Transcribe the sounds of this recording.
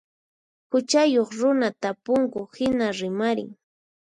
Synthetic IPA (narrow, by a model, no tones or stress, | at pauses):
hʊt͡ʃajoχɾʊnat̪apʊŋkʊhɪnaɾɪmaɾɪ̰ŋ